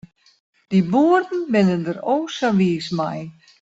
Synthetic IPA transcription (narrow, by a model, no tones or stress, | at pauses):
d̥ibuərdn̩bɪnəndəɾoːsaʋiəsma̰j